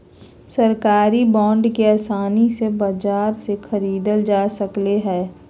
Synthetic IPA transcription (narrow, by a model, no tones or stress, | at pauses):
sɐɾkaːɾibɔ̃ːɳɖkeaːsaːnisebəd͡ʒaːɾsexʰəɾiːd̪əld͡ʒaːsəkleɦɛː